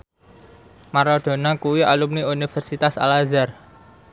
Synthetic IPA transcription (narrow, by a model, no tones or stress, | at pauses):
maɾɔɖ̪̥o̤nakuwialumniunifərsit̪asa̰lazar